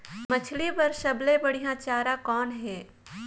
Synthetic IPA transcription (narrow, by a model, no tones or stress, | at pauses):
mət͡ʃʰlibɐɾʃəblẽbɐɽ̤ijãt͡ʃaːɾãkɔːnɦɛː